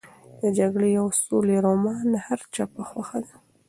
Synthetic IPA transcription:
d̪əd͡ʒaɡɽejawsoleɾomɑnhaɾt͡ʃapaxwaxad̪a

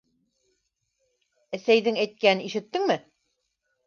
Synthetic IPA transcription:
æsæjðɘŋæjt̪̚kænɘniʃɘ̆t̪ːɘŋmɘ

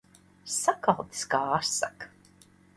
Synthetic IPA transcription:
sakalˠt̪i̥skaːasak

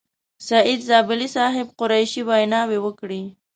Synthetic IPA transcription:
saʔɪd̪zɑbɪlisɑɦɪbqʊɾajʃiwajnɑwewəkɽi

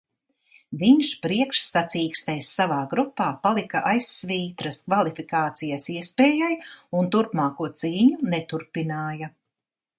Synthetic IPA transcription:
viɲʃpɾiɛkʃsat̪siːkst̪ɛjsːavaːɡɾupːaːpalˠikɐʔajsviːt̪ɾɐskvalˠifikaːt̪sijasiɛspeːjajunt̪uɾpmaːkuɔt̪siːɲunɛt̪uɾpinaːjɐ

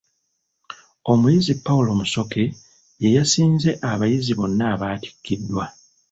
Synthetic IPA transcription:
o̞mujizipːawulo̞muso̞ke̞ | je̞jasiːnze̞ʔaβajiziβo̞nːaːβaːti̥kʰːidːwa

